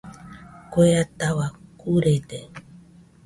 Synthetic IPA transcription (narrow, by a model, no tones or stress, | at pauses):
koeat̪awakuɾet̪e